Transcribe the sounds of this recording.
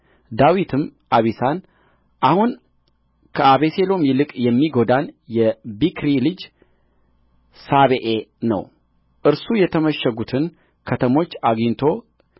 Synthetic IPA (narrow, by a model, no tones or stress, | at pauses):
d̪awit̪ʰɨmʔaβisan | ʔahun | kʰəaβese̞lo̞mjɪlɨkʼjɛmːiɡo̞d̪anjɛbikɾilɨd͡ʒ | saβeʔenə̰w | ʔɨɾsujɛt̪ʰəməʃːəɡut̪ʰɨn | kʰət̪ʰəmo̞t͡ʃːaɡiɲt̪ʰo̞